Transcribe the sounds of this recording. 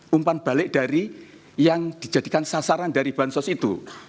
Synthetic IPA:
ʔumpanb̥alɪʔd̥a̤ɾi | jaŋd̥i̤̥d͡ʒa̤d̥i̤kansasaɾandaɾib̥a̤nsɔsit̪ṵ

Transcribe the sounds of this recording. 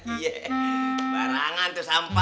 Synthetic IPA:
ije | baɾaŋant̪usampa

